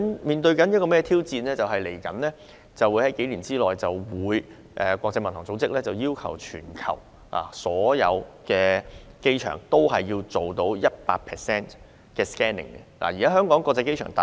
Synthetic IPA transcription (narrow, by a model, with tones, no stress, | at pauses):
nmiː˨˩nt̪ɵ˧ɥkɐ˨˥njɐ˥t̚kɔː˧mɛː˥t̪ʰiː˥wt͡siː˧nlɛː˥t͡sɐ˨wɦɐ˨jle˨˩jkɐ˨˥nlɛː˥ | t͡sɐ˨wuː˨˧jhɐ˨˥jke˨˥jliː˨˩nt͡siː˥lɔː˨jt͡sɐ˨wwuː˨˧j | ʔɛː˨kʷɔː˧k̚t͡sɐ˧jmɐ˨nt̪ʰɔː˨˩ŋt͡so˨˥wt͡sɪ˥k̚lɛː˥t͡sɐ˨wjiː˥wkʰɐ̰˨˩wt͡ʃʰyː˨˩nkʰɐ̰˨˩w | a̰ː˨˩sɔː˨˥jɐ̰˨˧wkɛː˧ke˥jt͡ʃʰœ̰ː˨˩ŋt̪o˥wɦɐ˨jːiː˧wt͡so˨˩wt̪o˨˥wjɐ˥t̚paː˧k̚pʰɛː˨sɛː˥n | kɛː˧skɛː˥nɪ̰˨˩ŋkɛ̰˧la̰ː˨˩jiː˨˩kaː˨˥œː˥ŋkɔː˨˥ŋkʷwɔː˧k̚t͡sɛ˧ke˥jt͡ʃʰœ̰ː˨˩ŋt̪a˨